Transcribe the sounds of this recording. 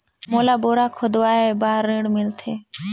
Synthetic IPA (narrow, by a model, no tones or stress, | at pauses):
moːlaːboːɾaːkʰod̪oaːeebaːɾːĩːɽmɪlt̪ʰeː